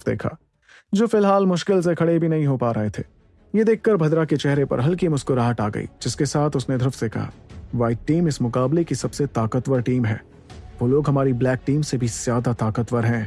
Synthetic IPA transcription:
d̪ḛːkʰa̰ː | d͡ʒoːfɪlɦaːlmʊʃkɪls̬ekʰɐɽebʱinɐɦĩɦopaːɾɐɦet̪ʰḛː | jed̪eːkʰːɐɾbʱɐd̪ɾaket͡ʃɛɦɾepɐ̰ɾɦɐlkimʊskoɾaːɦət̪aːɡɐ̰ḭːd͡ʒɪskesaːt̪ʰʊsned̪ʱʊɾfsekɐ̰ɦa̰ːʋaːɪʈ̚ːiːmɪsmʊkaːblekisɐbset̪aːkət̪ʋəɾʈiːmɦɛ̰ː | ʋoːloːɡɦɐmaːɾiblɛːk̚ʈiːmsebʱiz̥jaːd̪at̪aːkət̪wʋəɾɦɛ̃ː

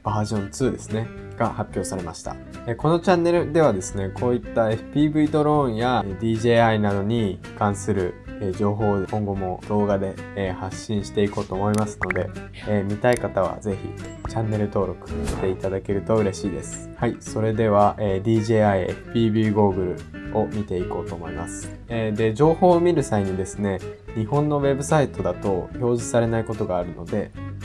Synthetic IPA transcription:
b̥aːʑõ̞nt͡sɨːd̪e̞sɨne̞ | ɡ̥ahapʲjo̞ːsaɾe̞ma̰ɕi̥t̪a̰ | eko̞no̞t͡ɕãnːe̞ɾɯ̟d̪e̞β̞ad̪e̞sɨne̞kʰo̞ːit̪ːae̞ɸɯ̟̥pʲiːbɯ̟id̪o̞ɾõ̞ɰ̃jad̪ʲiːʑe̞ːainad̪o̞ɲ̟i | kãɰ̃sɨɾɯ̟ed͡ʑo̞ːɦo̞ːkõ̞ŋɡo̞mo̞d̪̥o̞ːɡad̪e̞haɕːĩɰ̃ɕi̥t̪e̞iko̞ːt̪o̞ːmo̞imasɨ̥no̞d̪e̞ | emʲit̪aikat̪aβ̞a̰ze̞çḭt͡ɕãnːe̞ɾɯ̟t̪o̞ːɾo̞kɯ̟̥ɕi̥t̪e̞it̪ad̪ake̞ɾɯ̟t̪o̞ɯ̟ɾe̞ɕiːd̪e̞sɨ̥haiso̞ɾe̞d̪e̞β̞aʔeːd̪ʲiːʑe̞ːaieɸɯ̟̥pʲiːbʲiːɡoːɡɯ̟ɾɯ̟̰o̞mʲit̪e̞iko̞ːt̪o̞ːmo̞imasɨ̥ | ed̪e̞d͡ʑo̞ːho̞ːmʲiɾɯ̟saiɲ̟id̪e̞sɨne̞ɲ̟ihõ̞nːo̞βe̞bɯ̟sait̪o̞d̪at̪o̞ço̞ːʑisaɾe̞naiko̞t̪o̞ɡaːɾɯ̟no̞d̪e̞

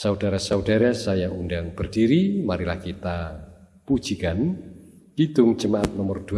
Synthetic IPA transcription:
saudaɾasaudaɾasajaʔundaŋb̥ərdiɾimaɾila̰hkit̪a | pu̥d͡ʒ̥ikan | ɡ̥id̪ʊŋ̥d͡ʒəmaʔat̪̚nɔmʊrd̥u

